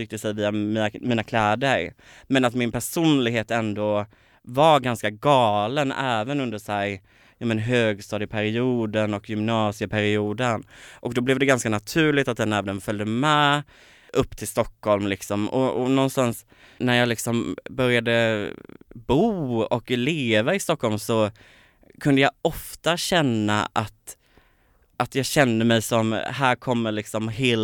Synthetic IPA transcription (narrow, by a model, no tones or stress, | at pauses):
ɾʏːk̚t̪əsɛjviːamiːnamiːnakʰlɛːd̪əɾ | mɛnat̪mɪnpʰæʂuːnlɪɡɦheːt̪ɛnd̪o | vaɾɡanskaɡɑːlənɛːvənɵnd̪əʂɛɾ | jɑːmɛnɦøːɡst̪ɑːd̪ɪɡpʰæɾɪuːd̪ənɔkjʏmnɑːsɪəpʰæɾɪuːd̪ənʔɔkd̪ɔblɛvd̪ɛɡanskanat̪ʰʉ̟ːɭɪt̪at̪̚d̪ɛnɛːvənənfœld̪əmɛː | ʔɵpːt̪ʰɪlst̪ɔkːhɔlmlɪksɔmɔ̰ɔnɔnst̪ans | næɾjɑːlɪksɔmbœɾjad̪ə | buːɔkleːvaɪst̪ɔkʰːɔlmsɔ | kʰɵnd̪əjɑɔft̪aɕɛnːa̰ʔat̪ | ʔat̪jɑːɡɕɛnd̪əmɛjsɔmhæːɾkʰɔmːəlɪksɔmɦeːl